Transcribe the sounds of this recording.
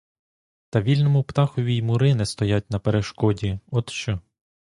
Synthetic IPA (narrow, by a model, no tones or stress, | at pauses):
t̪ɐʋʲilʲnɔmʊpt̪ɑxɔʋʲimʊɾɪnɛst̪ɔjat̚ʲnɐpeɾeʃkɔdʲiɔt̪ʃt͡ʃɔ